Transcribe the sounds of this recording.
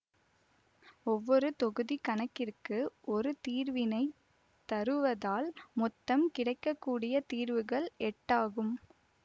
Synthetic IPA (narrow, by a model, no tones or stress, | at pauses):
ɔʋːɔɾɯt̪ɔɣɯðikɐnɐkːɪrkɯʔɔɾɯt̪iːɾʋɪnɐɪ | t̪ɐɾɯʋɐðaːlmɔt̪ːɐmkɪɽɐɪkːɐkːuːɽɪjɐt̪iːɾʋɯɣɐɭɛʈːaːɣɯm